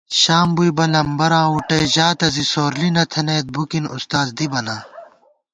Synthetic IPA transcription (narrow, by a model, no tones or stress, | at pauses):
ɕaːmbujbɐlɐmbɐɾãːuʈɐjʑaːt̪ɐzisoːɾlinɐt̪ʰeneːt̪̚bukinṵst̪aːzd̪ibɐnaː